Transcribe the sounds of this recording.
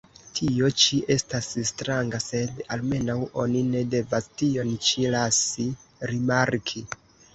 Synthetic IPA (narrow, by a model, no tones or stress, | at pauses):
tʰio̞t͡ʃiʔe̞stasstɾaŋɡase̞dalme̞nawo̞nine̞de̞vastio̞nt͡ʃilasiɾimaɾkʰi